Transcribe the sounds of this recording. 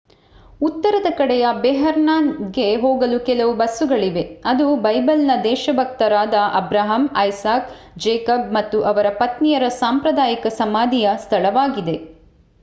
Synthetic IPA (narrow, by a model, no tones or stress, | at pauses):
ut̪ːɐɾɐd̪ɐkɐɽɛjɐbɛːɦɐɾnaːnɡe̞ɦoːɡɐlukɛlɐʋubɐsːuɡɐɭiʋe̞ɐd̪ubɐjbɐlnɐd̪ɛːʃɐbʱɐk̚t̪ɐɾaːd̪ɐʔɐ̰bɾaːɦɐmɐjsaːk | d͡ʒɛːkɐb̚mɐt̪ːuʔɐʋɐɾɐpɐt̪nijɐɾɐsaːmpɾɐd̪aːjikɐsɐmaːd̪ʱijɐst̪ʰɐlɐʋaːɡid̪e̞